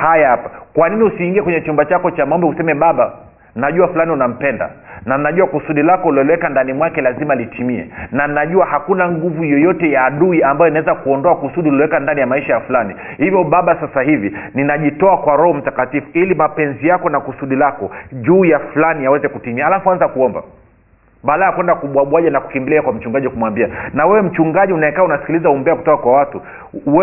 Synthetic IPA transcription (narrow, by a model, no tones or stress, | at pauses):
hajaapḁkwaniniusiːŋɡiɛkwɛɲɛt͡ʃumbat͡ʃakɔt͡ʃamaɔmbɛusɛmɛɓaɓa | nnaʄuafulaniunam̩pɛnda̰nannaʄuakusuɗilakɔlɔlɔwɛkandanimwakɛlazimalitʰimiɛ̰nannaʄuahakunaŋɡuvujɔjɔtɛjaːɗuiambajɔinaɛzakuɔndɔakusuɗillɔwɛkandanijamaiʃajafulani | hivjɔɓaɓasasaɦivininaʄitɔakwaɾɔhɔm̩takatifuilimapɛnzijakɔnakusuɗilakɔʄuːjafulanijawɛzɛkutimiaːlafuanzakuɔmba̰ | ɓalajakwɛndakuɓwaɓwaʄanaku̥kimbiliakwam̩t͡ʃuŋɡaʄikumwambianawɛwɛm̩t͡ʃuŋɡaʄiunaɛkaːunasi̥kilizauɔmbɛaku̥tɔkakwawatu | wɛ